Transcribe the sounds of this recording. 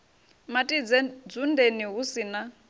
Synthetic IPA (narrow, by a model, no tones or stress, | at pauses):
matʼid͡zd͡zundʱeniɦusina